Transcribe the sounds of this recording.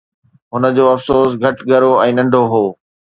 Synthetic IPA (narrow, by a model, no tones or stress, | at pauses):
ɦʊnə̆d͡ʑoːɐfsoːsɡʱɐʈɡʱɐɾoɛ̃ːnɐ̃ɳɖʱoɦoː